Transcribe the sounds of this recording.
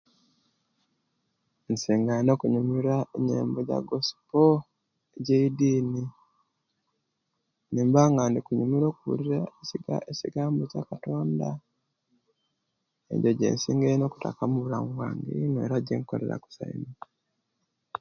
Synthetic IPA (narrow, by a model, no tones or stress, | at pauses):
nseːŋɡano̞kuɲumiɾaeɲḛːmboɟa̰ɡosi̥po | eɟeidiːni | niːmbaŋɡaːndikuɲumiɾo̞ːkuwṵɾiɾaesiɡa̰eciɡaːmbocakato̞ːnda | ḛɲɟoɟḛːnsiːŋɡeino̞ːku̥ta̰kamuβulaːŋɡuβuwaːŋɡḭnwḛɾaɟiŋko̞̰le̞̰ɾa̰ku̥sa̰ḭmi